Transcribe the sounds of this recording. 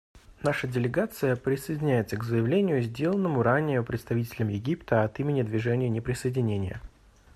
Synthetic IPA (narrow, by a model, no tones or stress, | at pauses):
naʂədʲɪlʲɪɡat̪sɨjəpɾʲɪsəjɪdʲɪnʲæjɪt̪səɡzəjɪvlʲenʲɪjʊzʲdʲelˠənːəmʊɾanʲɪjʊpɾʲɪt̪st̪ɐvʲitʲɪlʲəmjɪɡʲipt̪ʰəɐt̪imʲɪnʲɪd̪vʲɪʐɛnʲɪjʊnʲɪpɾʲɪsəjɪdʲɪnʲenʲɪjə̰